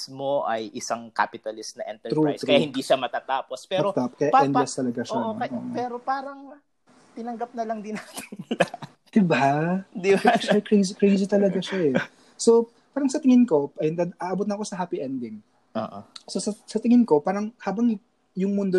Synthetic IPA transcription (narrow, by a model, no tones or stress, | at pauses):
smo̞ʔɐjʔɪsaŋka̰ːpɪt̪ɐlɪst̪̚nɐʔɛ̰nt̪ɛɾṵjsɾkɐjahɪnd̪iʃamɐt̪aːt̪aːpospɛːɾot̪apkɐjaʔʔɛndɐst̪ɐlɐɡaʃoɐoɐpɛːɾo̞paːɾɐŋ | t̪ɪnɐŋɡɐp̚nɐlɐŋd̪ɪnat̪ɪ̥nla | d̪̥ɪbad̪ɪʃakɾejzikɾejzit̪ɐlɐɡaʃaʔɛ | so̞ | paːɾɐŋsɐt̪ɪŋɪnko̞ɐjnd̪aʔaːʔɐbot̪nɐko̞sɐɦaːpiʔɛnd̪ɪŋ | ʔoʔososɐsɐt̪ɪŋɪnko̞paːɾɐŋhaːbɐŋ | jʊŋmʊnd̪o